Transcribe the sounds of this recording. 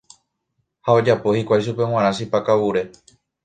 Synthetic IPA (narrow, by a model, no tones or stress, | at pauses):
hao̞d͡ʒapo̞hikʷajʃupe̞w̃ãɾ̃ãʃipakawuɾe̞